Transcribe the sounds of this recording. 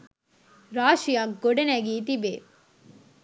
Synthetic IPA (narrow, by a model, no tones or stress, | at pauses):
ɾaːʃijaɡoɖɐnæɡiːt̪̬ibeː